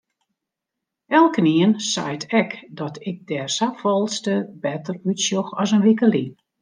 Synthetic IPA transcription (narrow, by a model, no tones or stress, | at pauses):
ʔɛlˠkəniənsa̰jtʰɛkdɔtʰɪk̚dɛrsafɔlˠstəbɛtərytsjoxɔsənʋikəlin